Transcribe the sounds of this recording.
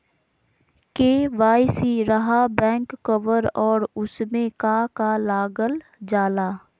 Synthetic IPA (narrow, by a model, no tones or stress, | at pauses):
keːʋaːjsiɾɐɦabɛ̃ːŋkːəʋəɾɔːɾʊsmẽkakalaːɡəl | d͡ʒaːlaː